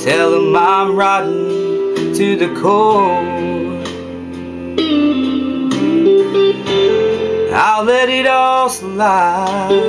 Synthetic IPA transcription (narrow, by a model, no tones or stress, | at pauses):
tʰɛlˠəmãmɹatn̩ | tʰɨðɨkʰɔ | ha̰ʊlɛɾɪɾɔlˠs | la